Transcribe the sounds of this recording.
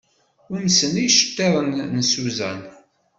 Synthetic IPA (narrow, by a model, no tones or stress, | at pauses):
ʊɾməsənijʃə̥t̪ːeðˤənːəsuzæ̰n